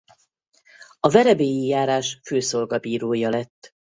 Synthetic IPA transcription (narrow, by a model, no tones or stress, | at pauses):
ɒvɛɾɛbeːjijaːɾaːʃføːso̞rɡɒbiːɾoːjɒlɛt̪ː